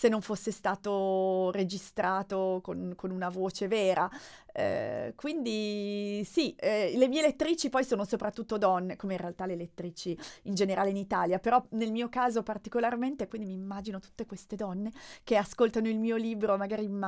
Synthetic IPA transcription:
senːoɱfosːest̪aːt̪ored͡ʒist̪ɾaːt̪okonkonunavoːt͡ʃeveːɾaɛ̰kwind̪isiɛlemiːelet̪ːɾiːt͡ʃipɔjsoːnosopɾat̪ːut̪ːod̪ɔnːekomeĩnrealt̪alelet̪ːɾiːt͡ʃiind͡ʒeneɾʔaːleinit̪aːljapeɾɔnelmiːokaːzopart̪ikolarment̪ekwind̪imiːmːaːd͡ʒinot̪u̥t̪ːekwest̪ed̪ɔnːekeaskolt̪anoilmiːoliːbɾomaɡaːɾima

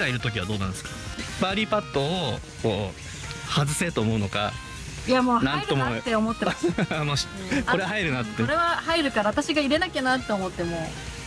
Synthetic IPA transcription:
ɡaiɾɯ̟t̪o̞k̬ʲiβa̰d̪o̞ːnã̰nd̪eskḁbaɾʲipat̪ːo̞ː | ko̞ː | hazɨse̞t̪o̞ːmo̞ɯ̟noka̰ | ijamoːnãnt̪ːomot̪ːeo̞mo̞t̪ːe̞moː | koɾe̞aɦaiɾɯ̟nat̪ːeɾeβahaiɾɯ̟kaɾaβt̪aɕiɡaiɾe̞nakʲenat̪ːe̞omo̞t̪ːe̞moː

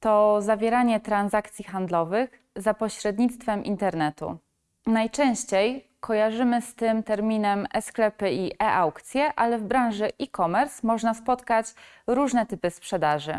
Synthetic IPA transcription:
t̪ɔzavʲjɛɾaɲɛt̪ɾanzak̚t̪sʲjixand̪lɔvɘx | zapɔɕɾɛd̪̚ɲit̪st̪fɛmʔḭnt̪ɛɾnɛt̪ṵ | najt͡ʂɛ̃w̃ɕt͡ɕej | kʰɔjaʐɘmɘst̪ɘmt̪ɛɾmʲinɛmɛsklɛpɘiʔɛʔawkt̪sʲjɛʔalɛvbɾawʐɘʔikɔmɛɾsmɔʐnaspɔt̪kat͡ɕ | ɾuʐnɛt̪ɘpɘspʂɛd̪aʐɘ̰

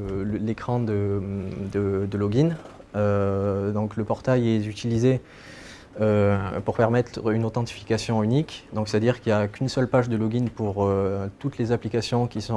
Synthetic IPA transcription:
lekχɑ̃d̪əd̪əd̪əlɔɡin | ød̪ɔ̃kləpɔʁt̪ajɛyt̪ilize | øpuʁpɛʁmɛt̪χynot̪ɑ̃t̪i̥fi̥kasjɔ̃ynikd̪ɔ̃ŋksɛt̪ad̪iʁkiljakynsœlpaʒd̪əlɔɡʲinpuʁøt̪ut̪lezaplikasjɔ̃kʲisɔ̃

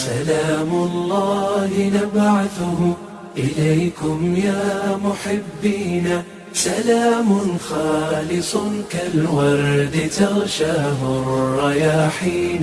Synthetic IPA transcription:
salaːmʊlˤːɑːhɪnabʕaθʊhʊ | ʔɪlajkʊmjaːmʊħɪbːiːnaː | salaːmʊnxɑːlɪsˤkalwɑɾˤd̪ɪt̪ɑɣʃaːɦʊrˤːɑjaːħiːn

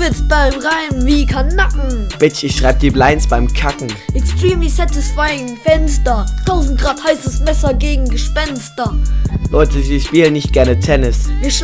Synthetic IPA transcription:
vɪt͡sb̥aɪmʁaɪmviːkʰanakŋ̩b̥ɪt͡ʃɪçʃʁ̥aɪbəd̥iːblaɪnsb̥aɪmkʰakŋ̩ʔɛtstʁiːm̩viːsatɪsfaɪɪŋfɛnstɐtʰaʊzn̩t̚ɡ̥ʁaːthaɪsəsmɛsɐɡeːɡŋ̩ɡəʃpɛnstɐlɔʏtʰəziːʃpiːlənɪçt̚ɡ̥ɛɐnətʰɛnɪsviːɐʃ

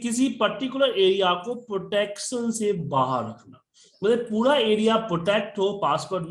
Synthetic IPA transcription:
kɪs̬ipɐɾʈɪkjʊləɾeːɾijakopɾoːʈɛːkʃənsebaːɦə̰ɾːɐkʰna̰ː | mɐt̪ləb̚puːɾaeːɾijapɾoːʈɛːk̚ʈɦoːpaːspoːɾʈm

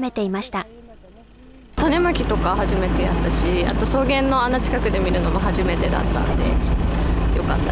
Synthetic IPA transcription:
me̞t̪e̞imaɕi̥t̪a | t̪ane̞makʲit̪o̞kahaʑime̞t̪e̞ja̰t̪ːaɕia̰t̪o̞so̞ːɡẽ̞nːo̞anat͡ɕi̥kakɯ̟d̪e̞mʲiɾɯ̟no̞mo̞ɦaʑime̞t̪e̞d̪a̰t̪ːa̰nod̪e̞̰ | jo̞̰ka̰t̪ːa

